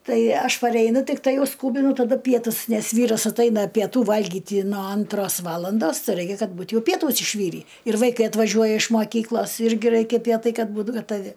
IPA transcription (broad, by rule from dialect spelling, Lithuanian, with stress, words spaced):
ˈtɐɪ ˈɐʃ pɐrʲɛɪˈnʊ tʲɪkˈtɐɪ ˈjɛʊ ˈskuːbʲɪnʊ tɐˈdʊ ˈpʲiɛtʊs nʲɛs ˈʋʲiːrɐs ɐtˈɐɪnɐ pʲiɛˈtuː ˈʋɐlʲɡʲɪtʲɪ noː ˈɐntroːs ˈʋɑːlˠɐndoːs ˈrɐɪkʲɛ ˈkɐt ˈbuːt ˈjɛʊ ˈpʲiɛtʊs ɪʃʲˈʋʲiːrʲiː ɪr ʋɐɪˈkɐɪ ɐtʋɐˈʒʲuɔjɛ ɪʃ moːˈkʲiːklˠoːs ˈɪrʲɡʲɪ ˈrɐɪkʲɛ ˈpʲiɛtɐɪ ˈkɐt ˈbuːt ɡɐtɐˈʋʲɪ